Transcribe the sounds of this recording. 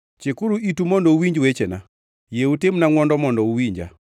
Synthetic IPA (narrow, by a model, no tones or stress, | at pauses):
t͡ʃɪkuɾuitumɔndɔuwiɲd͡ʒwet͡ʃena | jeutemnaŋwɔndɔmɔndɔuwiɲd͡ʒa̰